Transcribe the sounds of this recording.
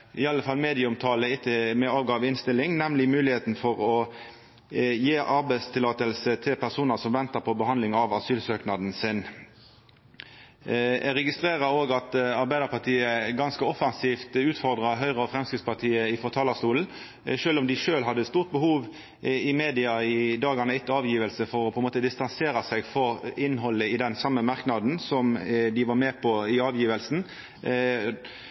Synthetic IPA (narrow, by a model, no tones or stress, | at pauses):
ɪɑlːəfɑlmeːd̪ɪəʊmt̪ʰɑːləɪt̪ʰːəmɛɑːʋɡɑʋɪnst̪ɪlːɪŋnɛmlɪmʉːlɪheːt̪n̩fɔʁɔ | jeːʔɑʁbæɪst̪ʰɪlɑːt̪əlsət̪ʰɪlpʰæʁsuːnəsɔmʋɛnt̪əpʰɔbəɦɑnd̪lɪŋɑʋɑsyːlsøːknɑd̪n̩sɪn | ɛʁɛɡɪst̪ʁeːʁəɾoːɡɑt̪ɑɾbæɪd̪əpɑʁt̪ʰiːəɡɑnskəɔfɑnsiːft̪ʉːt̪fɔʁd̪ʁɑɦœʏʁəɔfɾɛmskɪt̪spɑʁt̪ʰiːəɪfɔʁt̪ʰɑːlɑst̪uːln̩ | ʃøːlʊmd̪ɪʃøːlɦɑd̪ːəst̪uːʁt̪̚bəhuːʋ | ɪmeːd̪ɪɑɪd̪ɑːɡɑnəɪt̪ːəɑːʋjiːʋəlsəfɔɾɔpʰɔɛnmoːt̪əd̪ɪst̪ɑnseːɾɑsɛɡfɔɾɪnːɦɔlːəɪd̪ɛnsɑmːəmɑʁknɑd̪n̩sɔmd̪ɪʋɑɾmeːpʰɔɪɑːʋjiːʋəlsn̩